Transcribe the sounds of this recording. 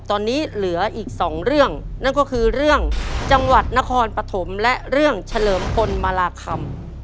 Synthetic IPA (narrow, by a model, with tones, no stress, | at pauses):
t̪ɔː˧nːiː˦˥lɯ˩˦ɐʔiː˨˩k̚sɔː˩˦ŋɾɯ˥˩əŋna˥˩nkɔː˥˩kʰɯː˧ɾɯ˥˩əŋt͡ɕa˧ŋwa˨˩t̪̚na˦˥kʰɔː˧npa˧t̪ʰo˩˦mlɛ˦˥ʔɾɯ˥˩əŋt͡ɕʰa˧lɤː˩˦mpʰo˧nmaː˧laː˧kʰa˧m